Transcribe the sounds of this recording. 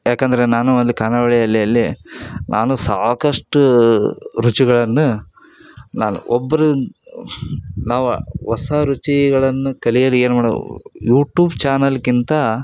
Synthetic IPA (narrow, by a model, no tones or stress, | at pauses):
jaːkɐnd̪ɐɾenaːnuond̪ukaːnɐʋɐɭɛjɐlːɛjɐlːinʔa̰ːnusaːkɐʂʈu | ɾut͡ʃiɡɐɭɐnːu | naːnṵʔɔbːɐɾu | naːʋuʋɐsaɾut͡ʃiɡɐɭɐnːukɐlijɐlieːnumaːɽojuːʈjuːbt͡ʃaːnɐlkint̪ɐ